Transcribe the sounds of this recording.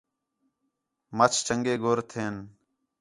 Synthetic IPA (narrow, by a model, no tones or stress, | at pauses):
mət͡ʃʰt͡ʃəŋɡeːɡoːɾt̪ʰeːn